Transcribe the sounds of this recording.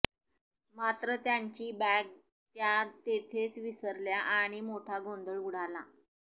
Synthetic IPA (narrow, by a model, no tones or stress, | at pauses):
mat̪ɾət̪jaɲt͡ɕiːbæɡ̚ | t̪jat̪et̪ʰet͡sʋisəɾljaʔaɽ̃imoʈʰaɡond̪əɭuɽ̤ala